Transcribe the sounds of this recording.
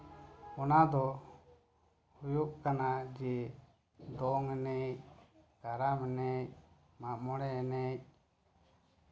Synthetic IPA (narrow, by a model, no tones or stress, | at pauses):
ɔnad̪ɔ | ujuʔkanad͡ʒɛ | d̪ɔŋɛnɛc̚ɡ̥aɾamɛnɛc̚ | mamɔɽɛːnɛc̚